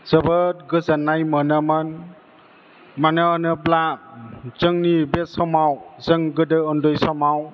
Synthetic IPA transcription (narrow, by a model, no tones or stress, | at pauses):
z̥əbət̚ɡɯzanːajmənaman | manɯnɯbla | z̥ɯŋnibesɔmawzɯŋɡɯdɯɔndɔjsɔmaw